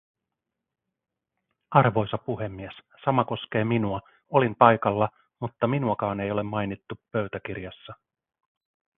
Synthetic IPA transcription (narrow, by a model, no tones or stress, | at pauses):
ɑrʋo̞jsɑpuɦe̞mːies | sɑmɑko̞sk̟e̞ːminuɑ | o̞limpɑjkɑlːɑ | mut̪ːɑminuɑkɑːne̞jo̞le̞mːɑjnit̪ːupø̞ɥt̪æk̟irjɑsːɑ